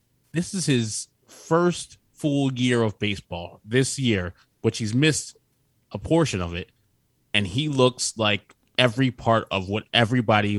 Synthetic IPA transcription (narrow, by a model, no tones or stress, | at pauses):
ðɪsɨz̥ɪz̥ | fɜ˞st | fʊlˠjɪɹʌvbeɪsb̥ɔlˠðɪsjɪɹ | w̥ɨt͡ʃhizmɪst | ʔəpʰɔɹʃɨ̃nʌvɪt̚ | ɨ̃nilʊkslaɪk̚ | ɛvɹipʰɑɹɾʌ̰vwʌɾɛvɹibɑɾi